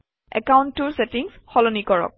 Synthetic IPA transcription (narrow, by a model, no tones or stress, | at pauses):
ɛ̰kawntːʊɹsetiŋsxɔlɔnikɔɹɔ̰k̚